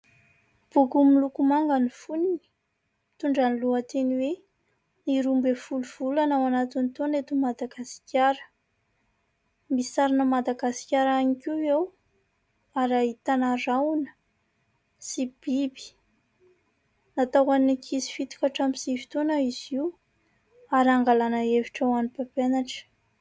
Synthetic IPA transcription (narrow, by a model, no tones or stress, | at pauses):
b̥ukumilukumaŋɡanifunini̥ | mit̪uɳɖ͡ʐaniluat̪eniwe | niɾumbefuluv̥ulanawanat̪init̪onet̪umad̪aɡasi̥kʲjaɾə̥ | misaɾinəmad̪aɡasi̥kʲaɾanikiew | aɾaɦit̪anaɾawunə̥ | sib̥ibi̥ | nat̪awanikʰizi̥fit̪i̥kaʈ͡ʂamisivi̥t̪onaiziw | aɾaŋɡalanaeviʈ͡ʂawanipapenaʈ͡ʂə̥